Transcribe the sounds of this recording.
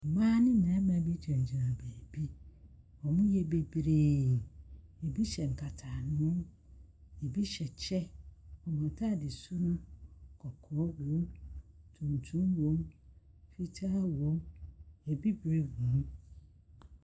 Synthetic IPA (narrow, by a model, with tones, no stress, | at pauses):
mãː˦nɪ̃˦nã˨˦mã˨˦bi˦tʰɛ˨n˨d͡ʑi˨ɾã˨be˨bi˦ | ɔ˨mʊ̃˦jɛ˦be˨bɾeː˨e˨bi˦ɕɛ˨ŋ̩˨kʰa˨tʰa˨ñ˦ʊ̃˦m | e˨bi˦ɕɛ˨t͡ɕʰɛ˦ɔ˨m˨ɔ̃˨tʰa˦˨dɪ˨sʊ˦nʊ̃˦kʰɔ˨kʰɔ˨˦wõ˦mtʰũ˨ntʰũ˦mwõ˨˦m | fi˦tʰaː˦wõ˦me˨bi˦bɾe˦wõ˨˦m